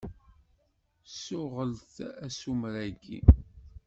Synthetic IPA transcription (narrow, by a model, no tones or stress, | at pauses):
sʊʁəlθæsumɾæɡḭ